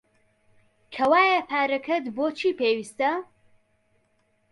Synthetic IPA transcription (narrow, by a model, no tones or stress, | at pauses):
kʰɐwaːjɐpʰaːɾɐkʰɐt̪boːt͡ʃʰiːpʰeːwist̪ɐ